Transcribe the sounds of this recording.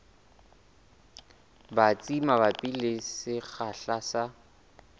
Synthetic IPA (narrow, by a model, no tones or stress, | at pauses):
bat͡sʼimabapʼilɪsɪɣaɬasa